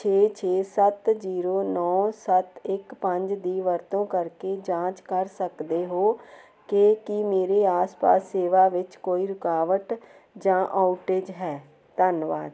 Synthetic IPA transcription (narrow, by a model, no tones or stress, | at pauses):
t͡ʃʰeːt͡ʃʰeːsət̪ziːɾoːnɔːsət̪ɪkpə̃ɲd͡ʒd̪iːʋəɾt̪õːkəɾkeːd͡ʒãːt͡ʃkəɾsəkd̪eːɦoː | kekimeːɾeːaːspa̰ːsːeːʋaːʋɪt͡ʃkoːiːɾʊkaːʋəʈ | d͡ʒãːʔaːʊʈeːd͡ʒɦɛː | t̪ənʋa̰ːd̪